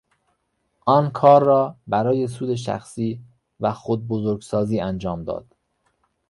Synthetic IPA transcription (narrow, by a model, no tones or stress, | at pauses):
ʔɒːnkʰɒːɾːɒːbæɾɒːje̞suːd̪eʃ̬æ̰xsiː | væxod̪̚bozoɾɡsɒːziːænd͡ʒɒːmd̪ɒ̰ːd̪̥